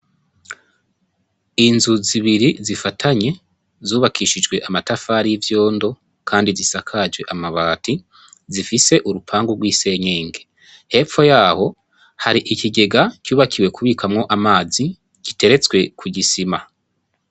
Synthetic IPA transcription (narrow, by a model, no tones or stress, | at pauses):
inzuziβiɾizifatʰaɲe̞ | zuːβakʰiʃid͡ʒwe̞ʔamatafaːɾijivjo̞ːndo̞ | kʰaːndizisakʰad͡ʒwe̞ʔamaβaːti | zifise̞ʔuɾupʰaːŋɡuɡwiːse̞ɲe̞ːŋɡe̞ | he̞ːp͡fo̞jaːho̞ | haɾiʔiciɡe̞ɡacuːβakʰiwe̞kuβiːkʰamŋo̞ʔamaːzi | ɟ̥ite̞ɾe̞t͡swe̞kʰuɟisima